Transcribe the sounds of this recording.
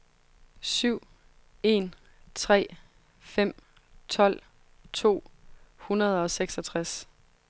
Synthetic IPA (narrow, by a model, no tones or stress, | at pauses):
syʊ̰ | e̝n | t͡sʰʁɛ̰ː | fem̰ | t͡sʰɒ̽l̰ | t͡sʰo̝̰ːhunɐð̞ˠɒ̽seɡ̥sɒt͡sʰʁas